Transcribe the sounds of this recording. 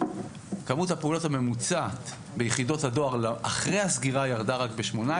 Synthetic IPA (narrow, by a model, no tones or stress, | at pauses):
kamuthapeulo̞thame̞mut͡sat̪ | be̞jeχido̞thado̞aʁlʔaχʁehasɡiʁajaʁdaʁakbe̞ʃmo̞na